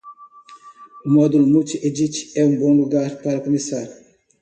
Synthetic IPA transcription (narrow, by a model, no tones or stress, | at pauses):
umɔd̪ulumut͡ʃiʔed͡ʒit͡ʃi̥ɛũbõluɡaɾpaɾɐkomisaɾu